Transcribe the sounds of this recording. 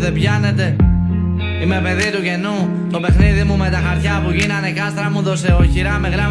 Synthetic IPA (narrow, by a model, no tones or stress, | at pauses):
ðebʝɐne̞t̪e̞ | ime̞pe̞ðit̪uʝe̞nu | t̪o̞pe̞xniðimume̞t̪ɐxɐɾt̪çɐpuʝinɐnekɐst̪ɾɐmuðo̞seoçiɾɐmeɣɾɐ